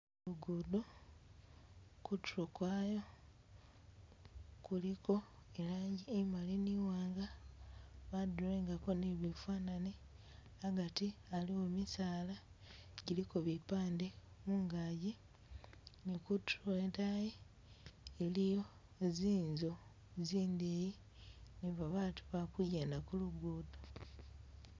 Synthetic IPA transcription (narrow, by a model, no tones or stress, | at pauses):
luɡudo | kutuɾokwajo̞ | kuliko̞ | elaːɲɟiemaliniwaːŋɡa | βaduɾeːŋɡako̞niβifwaːnane | aɡatialiwomisaːlaɟilikoβipaːndemuŋɡaji | nikutɾotaje | elijo̞ | eziːnzo̞ | ziːndeji | niβaβaːtu̥βakujeːndakuluɡuːdo